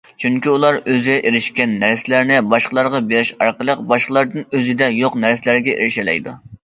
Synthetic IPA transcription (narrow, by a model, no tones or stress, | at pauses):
t͡ʃʰyŋkʲiulˠɑɾøzɪɡʲɛʔeɾɪʃkʲɛnːæɾsɪlæɾnɪbɑʃqəlˠɑɾʁɑbeɾɪʃɑ̰ɾqəlˠəqbɑʃqəlˠɑɾd̪ɨnøzɪd̪ɛjoqnæɾsɪlæɾɡʲɛʔḛɾɪʃɛlɛ̰jd̪u